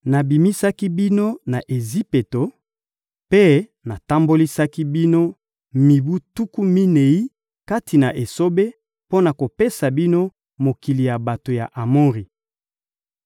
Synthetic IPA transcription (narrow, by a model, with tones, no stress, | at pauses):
na˨bi˨mi˦sa˦ki˦bi˦no˦na˨ʔe˨zi˦pe˨to˨ | pe˦na˨ta˦mbo˦li˦sa˦ki˦bi˦no˦ | mi˨bu˦tu˦ku˦mi˦ne˨i˦ | ka˦tʰi˨na˨ʔe˨so˦be˦ | po˦na˨ko˨pe˦sa˨bi˦no˦ | mo˨ki˨li˨ja˨ba˨to˨ja̰˨ʔa˨mo˦ʁi˨